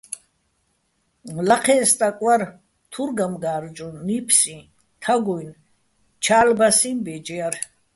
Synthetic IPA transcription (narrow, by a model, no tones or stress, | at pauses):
laqʰɛːst̪ʼakʼwaɾ | t̪ʰuɾɡamɡaːɾd͡ʒʼunːipʰsĩ | t̪ʰaɡujn | t͡ʃʰaːlbasimbɛd͡ʒɛaɾ